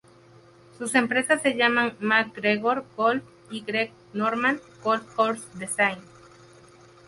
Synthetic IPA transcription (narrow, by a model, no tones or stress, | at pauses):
suse̞mpɾesasːeʝamãŋmak̚ɡɾeɣoɾɡolf | iɡɾek | noɾmãnkolkoɾsd̪esajn